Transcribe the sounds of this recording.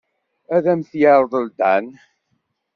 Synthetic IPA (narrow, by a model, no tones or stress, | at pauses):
æðæmθjaɾˤəðˤəld̪æ̰n